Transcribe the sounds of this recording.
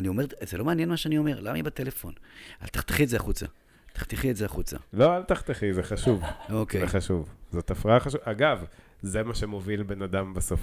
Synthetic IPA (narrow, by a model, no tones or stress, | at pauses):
anio̞me̞ʁzelo̞meanjenmaʃeanio̞me̞ʁlamaibate̞le̞fo̞̰na̰lt̪ḁχt̪e̥χietzeaχut͡sa̰ | t̪ḁχt̪iχietzeaχut͡sa̰lo̞alt̪aχt̪eχizeχaʃuvokeeχaʃuvzot̪afʁaaχaʃuvaɡav | zemaʃe̞movilbe̞nad̪ambeso̞f